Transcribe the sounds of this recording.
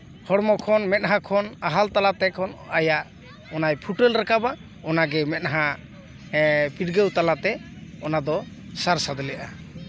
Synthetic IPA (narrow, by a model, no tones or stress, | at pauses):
hɔɽmɔkʰɔnmɛt̪̚ˀɦakʰɔnaɦalt̪alat̪ɛkʰɔnajaʔ | ɔnajpʰuʈɛlɾakaba | ɔnaɡɛmɛt̪̚ɦa | piʈɡewt̪alat̪ɛ | ɔnad̪ɔ | saɾsad̪ɔlɛʔa